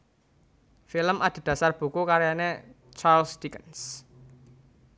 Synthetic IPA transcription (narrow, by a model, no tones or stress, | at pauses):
filəmad̪̥e̤d̥ä̤sarb̥ṳkukaɾjane | t͡ʃarlsd̪ikəns